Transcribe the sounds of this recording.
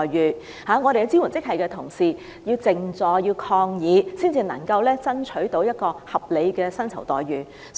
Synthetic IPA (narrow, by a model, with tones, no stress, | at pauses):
jɥyː˨ | haː˨˥ŋɔː˨˧ɾe˨jwt͡si˥wu˨˩nt͡sɪ˥k̚ɦɐ˨jkɛː˧t̪ʰʊ˨˩ŋsiː˨ | jiː˧wt͡sɪ˨ŋt͡sɔː˨˩jiː˧wkʰɔː˧ŋjiː˨˧siː˥nt͡siː˧nɐ̰˨˩ŋkɐ˧wlɛː˥t͡sɐ˥nt͡ʃʰɵ˨˥ɥt̪o˨˧˥wjɐ˥t̚kɔː˧hɐ˨p̚le˨˧jkɛː˧sɐ˥nt͡sʰɐ˨˩wt̪ɔː˨jɥyː˨˩